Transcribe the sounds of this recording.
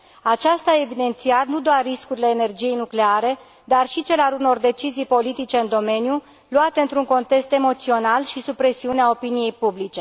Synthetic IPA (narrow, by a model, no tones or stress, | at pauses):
at͡ʃast̪aevid̪e̞nt̪siat̪nud̪oarːiskuɾile̞ːne̞rd͡ʒije̞jnukle̞aɾe̞ | d̪arʃit͡ʃe̞lealuno̞rd̪e̞t͡ʃizijpo̞lit̪it͡ʃe̞ɨnd̪o̞me̞nju | luat̪e̞ɨnt̪ɾuŋko̞nt̪e̞kst̪e̞mo̞t̪sio̞nalʃisupɾe̞siuneao̞pinije̞jpublit͡ʃe̞